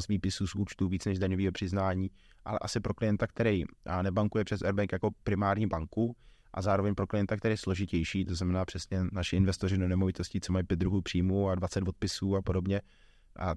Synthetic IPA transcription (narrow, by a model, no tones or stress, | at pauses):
sviːpɪsuːsʔuːt͡ʃt̪uːviːt͡snɛʒdaɲoviːɦopr̝̥ɪznaːɲiː | ʔa̰lɛ̰ʔasɪpɾo̞klɪjɛnt̪ak̚t̪ɛɾɛjnɛbaŋkujɛpr̝̥ɛsʔɛɾbɛŋkjako̞pɾɪmaːɾɲiːbaŋku | ʔa̰zaːɾovɛɲpɾoklɪjɛnt̪akt̪ɛɾɛjslo̞ʒɪcɛjʃiːt̪o̞znamɛnaːpr̥ɛsɲɛnaʃɪɪnvɛst̪o̞rɪdo̞nɛmovɪt̪o̞scɪt͡somajipjɛt̪̚d̪ɾuɦuːpr̥iːmuadvat͡sɛd̪vo̞t̪̚pɪsuːapo̞do̞bɲɛ | ʔa̰